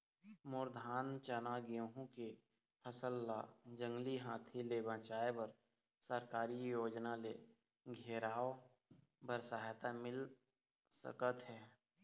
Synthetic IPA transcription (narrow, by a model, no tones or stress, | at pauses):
mʊɾd̪ʱaːnt͡ʃənaːɡijõɦũke | pʰəsəlːad͡ʒə̃ŋɡliɦãːt̪ʰilebə̃t͡ʃaːebəɾ | səɾkaːɾijoːd͡ʒnale | ɡʱeːɾaːo | bəɾsaɦt̪amɪl | sə̰kət̪ɦɛː